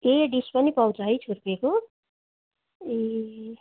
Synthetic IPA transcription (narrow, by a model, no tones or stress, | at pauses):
eɖispʌnipʌwt͡sʌɦʌjt͡sʰurpeko | e